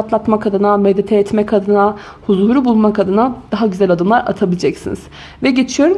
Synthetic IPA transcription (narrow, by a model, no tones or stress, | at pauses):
at̪lˠat̪makʰad̪ɯnamɛlʲːet̪ʰɛjɛt̪mɛkʰad̪ɯna | huzuːɾubulˠmakʰad̪ɯnad̪̥aɦaɟyzælʲad̪ɯmlˠaɾa̰t̪ʰabilʲid͡ʒɛcsiniz̥ | vɛɟe̞t͡ʃʰijo̞ɾum